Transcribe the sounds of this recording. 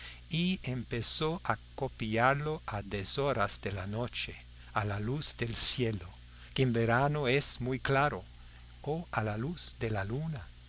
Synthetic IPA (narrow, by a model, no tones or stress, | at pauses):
iempesoʔakopiaɾload̪esoɾazd̪elanot͡ʃe | alaluzd̪elsjelo | keembeɾanoesmujklaɾo | oalaluzd̪elaluna